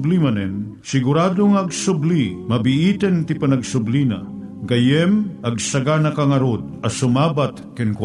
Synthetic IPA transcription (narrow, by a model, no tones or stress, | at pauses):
blimɐnɛn | sɪɡʊɾaːd̪oŋaɐɡsʊblimɐbɪʔit̪ɛnt̪ɪpɐnɐɡsʊblina̰ | ɡɐjɛmʔɐɡ̚sɐɡanɐkaŋɐɾod̪̚ɐsʊmabat̪kɪnkw